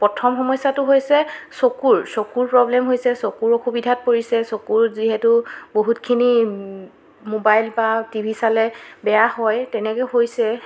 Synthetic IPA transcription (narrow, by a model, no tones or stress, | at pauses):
pɔtʰɔmxɔmɔjsatʊɦojsɛsokuɹsokuɹpɹɔblɛmɦojsɛsokuɹoxubidʱat̚poɹisɛsokuɹziɦɛtʊboɦutkʰini | mobajlbatibʱisalɛbɛjahɔjtɛnɛkɛhojsɛ